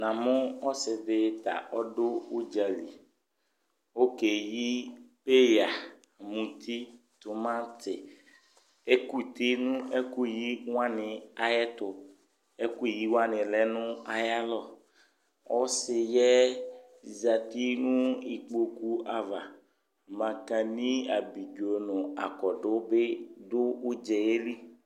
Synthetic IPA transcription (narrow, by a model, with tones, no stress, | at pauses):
nã˨mʊ˦ɔ˦sɪ˨dɪ˨t̪a̰˨ʔɔ˦dʊ˦u˦d͡ʒa˨li˨ | o˦ke˨ji˦pe˦ja˨ | mũ˨t̪ʰi˦ | tʊ˨mã˦tɪ˨ | e˦ku˦˨t̪i˦nũ˦e˦ku˦˨ji˦wã˦nɪ̃˨a˨jɛ˦t̪ʊ˨ | e˦ku˦˨ji˦wã˦nɪ̃˨lɛ˦nʊ̃˦a˨ja˦lɔ˦ | wʔɔ˦sɪ˨jɛ˦˨ | za˨t̪i˦nũ˦i˨k͡po˨ku˦a˨va˨ | mã˨kã˨nĩ˦a˨bi˨d͡ʒo˨nʊ̃˨a̰˨kɔ˨ɖʊ˦be˦dʊ˦u˦d͡ʒɛ˨je˦li˦